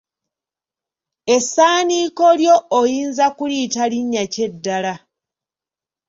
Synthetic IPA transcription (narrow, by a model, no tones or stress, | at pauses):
e̞saːniːko̞ljo̞ːjiːnzakulitaliɲːace̞dːala